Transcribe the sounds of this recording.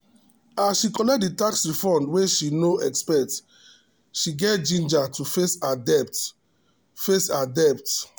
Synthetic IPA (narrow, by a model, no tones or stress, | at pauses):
asʃikɔlɛk̚t̚ditaksɹifɔ̃ndweʃinoɛkspɛt | ʃiɡɛtd͡ʒĩnd͡ʒatufesadɛp̚t | fesadɛpt